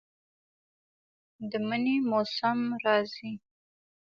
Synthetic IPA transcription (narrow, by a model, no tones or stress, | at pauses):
d̪əmənemosamɾɑzi